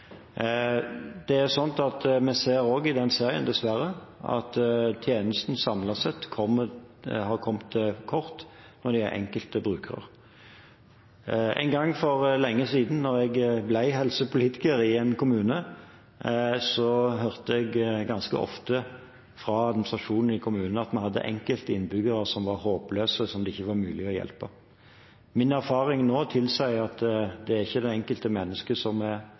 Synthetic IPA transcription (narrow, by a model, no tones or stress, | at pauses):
d̪̥ɛæsɔnt̪ɑt̪mɛseːɾoːɡɪd̪ɛnseːʁɪə̰nd̪ɛsʋæɾːəɑ̰t̪t̪ʰjeːnəst̪n̩sɑmlɑsɛt̪ːkʰɔmːəhɑʁkʰɔmt̪kʰɔʁt̪ | nɔd̪ɪæ̰ɾʔɛ̰ŋkəlt̪əbɾʉːkʰəʁə̰ʁ | æ̰ɪnɡɑŋːfɔɾlɛŋːəsiːd̪n̩nːɔɾɛɡblæɪɦɛlsəpʊliːt̪ɪ̥kəɾɪɛnkʊmʉːnə | sɔɦœʁt̪əɛɡɡɑnskə̰ʔɔ̰ft̪ə | fɾɑɑd̪mɪnɪsʁɑʂuːnn̩ɪkʰʊmʉːnnəɑt̪mɛhɑd̪ːə̰ʔɛ̰ŋkəlt̪əɪnbʏɡəɾəsɔmʋɑɾhoːpløːsəsɔmd̪ɛɪçːəʋɑʁmʉːlɪɔjɛ̰lpə | mɪnæʁfɑːʁɪŋnoːt̪ʰɪlsæɪɑt̪d̪ɛæʁɪçːəd̪ɛɛŋkəlt̪əmɛnːəskəsɔmɛ